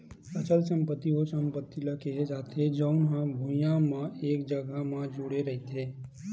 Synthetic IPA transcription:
ət͡ʃəlsə̃mpət̪ːiɦosə̃mpət̪ːilɐkʰeɦed͡ʒaːt̪ʰed͡ʒəʊnɦãbʱʊ̃jãmãeːk̚d͡ʒəɡamãd͡ʒʊɽeɾɐɦit̪ʰeː

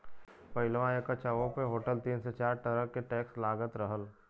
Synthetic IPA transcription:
pəɪlʋãekət͡ʃaʋõpeɦoːʈəlt̪iːnset͡ʃaːɾʈəɾəkːeʈɛːkslaːɡət̪ɾəɦəl

